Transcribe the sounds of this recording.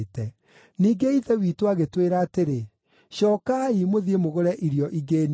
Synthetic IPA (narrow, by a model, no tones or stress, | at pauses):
tɛ | niːɡeiðɛwitoaɣetweɾaːteɾe | ɕɔːkaimoðiemoɣoɾɛʔiɾjɔʔiɡeːn